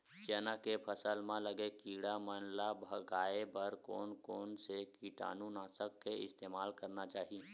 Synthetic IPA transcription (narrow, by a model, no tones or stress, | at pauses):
t͡ʃɛːnakepʰəsəlmãləɡekiːɽamənlabʱɐɡaːebɐɾkɔːnkɔːnsekiːʈa̰ːnũnaːsəkːeɪ̰st̪eːmaːlkɐɾnat͡ʃaːɦii